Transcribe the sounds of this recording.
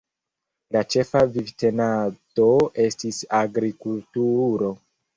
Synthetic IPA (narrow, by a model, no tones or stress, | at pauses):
lat͡ʃe̞favivte̞nato̞e̞stisaɡɾikultuɾo̞